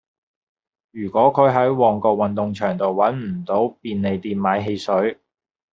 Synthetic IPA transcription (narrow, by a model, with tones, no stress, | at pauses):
jyː˨˩kʷɔː˨˥kʰɵ˨˧ɥɦɐ˨˥jwɔː˨˩ŋkɔː˧k̚wɐ˨nt̪ʊ˨˧ŋt͡ʃʰœː˨˩ŋt̪o˨wwɐ˨˥nm̩˨˩t̪o˨˥wpiː˧nne˨˧jt̪iː˧nmaː˨˥jɦe˧jsɵ˨˥ɥ